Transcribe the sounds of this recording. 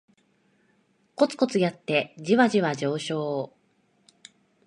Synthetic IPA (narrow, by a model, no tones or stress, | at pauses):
ko̞t͡sɨ̥ko̞t͡sɨjat̪ːe̞d͡ʑiβaʑiβad͡ʑo̞ːɕo̞ː